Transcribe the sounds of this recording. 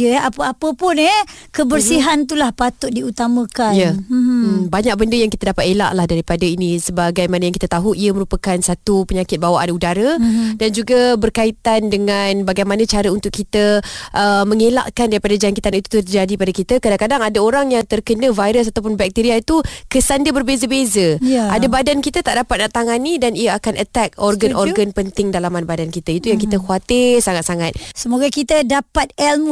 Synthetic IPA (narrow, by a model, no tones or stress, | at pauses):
jəapəapəpʊnɛ | kəbərsiɦant̪ulahpat̪ʊt̪̚diut̪amə̃kaja | baɲak̚bəndəjaŋkit̪adapat̪ela̰ʔlahdaɾipadainisəbaɡajmanəjaŋkit̪ət̪aɦuʔiəməɾupəkansat̪upəɲakɪt̪̚bawaʔanudaɾədand͡ʒuɡabərkait̪andəŋanbaɡajmanə̃t͡ʃaɾəunt̪ʊʔkːit̪əʔəməŋela̰ʔkandaɾipadad͡ʒaŋkit̪anit̪u̥t̪ərd͡ʒadipadakit̪akadaŋkadaŋadaoɾaŋjaŋt̪ərkənəvajɾəs̬at̪awp̬ʊnbɛk̚t̪iɾiait̪ukəsandiəbərbezəbezəadabadankit̪ət̪aʔdapat̪̚naʔt̪aŋanidanijaakanʔət̪ɛk̚ɔrɡanʔɔrɡanpənt̪ɪŋdalamanbadankit̪ait̪ujaŋkit̪əkuat̪ɪrsaŋat̪̚saŋat̪̚səmoɡakit̪ədapat̪̚ɛlm